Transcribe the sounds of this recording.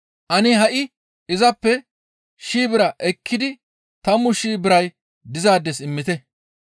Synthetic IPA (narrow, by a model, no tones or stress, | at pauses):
ʔɐnɪɦɐʔɪ | ɪzɐpːɛ | ʃiːbɪɾɐʔɛkʰːɪd̪ɪ | t̪ɐmːʊʃiːbɪɾɐj | d̪ɪzaːd̪ːɛsɪmːɪt̪ɛ